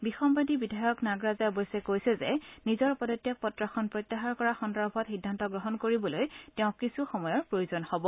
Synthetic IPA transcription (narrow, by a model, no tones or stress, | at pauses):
bixɔmbadibidʱajɔknaɡɹazajɔbɔjsɛkojsɛzɛnizɔɹpɔdɔtjɔk̚pɔtɹaxʰɔnpɹotːaɦaɹkɔɹaxɔndɔɹbʱɔtxidʱːantɔɡɹɔɦɔnkoɹibɔlojtɛʊ̃kisuxɔmɔjɔɹpɹojozɔnhɔbɔ